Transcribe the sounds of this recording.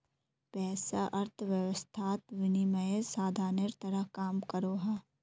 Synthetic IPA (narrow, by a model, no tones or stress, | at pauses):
pɛːsaʔɐɾt̪ʰʋjəʋəst̪ʰaːt̪ʋɪnimɐjesaːd̪ʱaːneɾt̪ɐɾəɦkaːmkɐɾoːɦaː